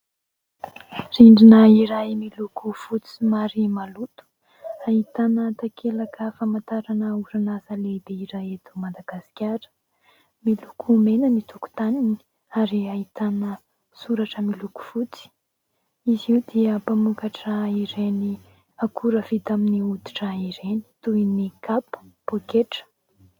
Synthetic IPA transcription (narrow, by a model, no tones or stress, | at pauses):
riɳɖ͡ʐinəiɾajmilukʰufut͡si̥maɾimalut̪u̥ | ait̪anət̪akʰelakəfamant̪aɾanəuɾanazəlebeiɾajet̪u̥mad̪aɡ̥asi̥kʲaɾə̥ | milukʰumenənit̪ʰuku̥t̪anini̥ | aɾiait̪anə | suɾaʈ͡ʂəmiluku̥fut͡si̥ | iziud̪iəpamukaʈ͡ʂaiɾeni | akʰuɾəvit̪aminiud̪i̥ʈ͡ʂaiɾeni̥t̪ujinikapə̥b̥okeʈ͡ʂə̥